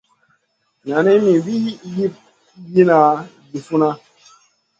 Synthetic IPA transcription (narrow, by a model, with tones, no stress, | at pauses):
ɲa˨nɛ˦mi˨wi˦ji˦p̚ | ji˦na˨ | di˨fu˦na˦